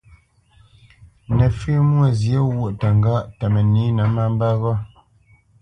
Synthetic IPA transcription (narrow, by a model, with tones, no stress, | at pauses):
nɛ˨fʉ˦mwə˦˨zje˦wu˦˨ʔta˨ŋ˦ɡa˦ʔta˨mɛ˨ni˨˦nə˨˦ma˦m˦ba˦ɣɔ˦